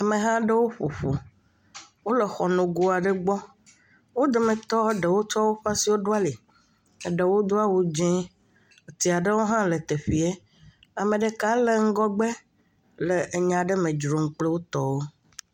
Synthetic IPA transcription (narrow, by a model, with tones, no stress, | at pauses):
a˨me˨ɦã˦ɖe˦wo˦ɸo˨ɸu˨ | wo˦le˨xɔ˨nũ˨ɡu˦a˨ɖe˦ɡ͡bɔ˦ | wo˦d̪e˨mẽ˨t̪ɔ˦ɖe˨wo˦t͡ʃɔ˦wo˦ɸa˦si˨wo˦ɖo˦a˦li˨ | e˨ɖe˨wo˦d̪o˦a˦wu˨d͡ʒɛ̃˦ | o˨t̪i˨a˨ɖe˦wo˦ɦã˦le˨t̪e˨ɸi˨e˦ | a˨mẽ˨ɖe˨ka˦le˨ŋ̩˦ɡɔ˦ɡ͡be˦ | le˨ʔe˨ɲã˨ɖe˦mẽ˨d͡ʒɾo˨ŋ̩˨k͡ple˦wo˦t̪ɔ˦wo˦